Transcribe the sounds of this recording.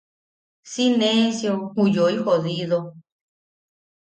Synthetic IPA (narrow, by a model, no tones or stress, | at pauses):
sinẽnsjohũjoihoðiðo